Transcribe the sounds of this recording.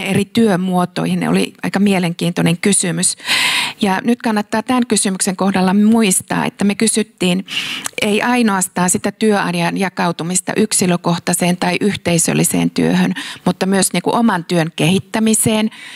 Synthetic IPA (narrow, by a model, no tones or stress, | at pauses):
erit̪yømuot̪o̰ihinḛo̰lḭʔɑikɑmieleŋkiːnt̪oneŋkysymysjɑnyt̪kɑnːɑt̪ːɑːt̪ænkysymykseŋkohdɑlːɑmuist̪ɑ̰ːḛt̪ːæmekysyt̪ːiːnʔeiʔɑinoɑst̪ɑːnsit̪æt̪yøɑ̰njɑnjɑkɑut̪umist̪ɑ̰ʔyksiløkoht̪ɑseːnt̪ɑiʔyht̪eisø̰lːisḛːnt̪y̰ø̰hønmut̪ːɑmyøsniːŋkuʔomɑnt̪yønkehit̪ːæmiseːn